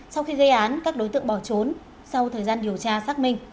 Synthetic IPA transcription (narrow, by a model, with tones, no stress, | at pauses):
sa˧wxi˧ɣə˧jʔaː˨˦nkaː˦˥k̚ɗo˨˦jt̪ɨ̰˧˨ə˨ŋɓɔ˧˩t͡ɕo˨˦n | sa˧wt̪ʰəː˨˩jzaː˧nɗi˨˩əwt͡ɕaː˧saː˦˥k̚mï˧˩ŋ̟